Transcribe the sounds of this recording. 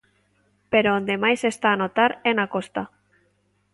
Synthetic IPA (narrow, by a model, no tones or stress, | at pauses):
peɾoond̪emajsest̪aːnot̪aɾenakost̪a